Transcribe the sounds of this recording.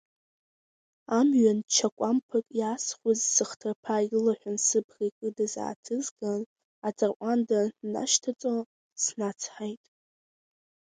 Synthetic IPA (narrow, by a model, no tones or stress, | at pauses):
amɥant͡ʃʰakʷʼampʰɨkʼjasχʷʊzsɨχtʰɨrpʰailaħʷᶣansɨbʰrikʷʼɨdaza̰ːtʰɨzɡan | ad͡zʼarʔʷʼandaːa̰ʃtʰat͡sʼo | snat͡sʰħajtʼ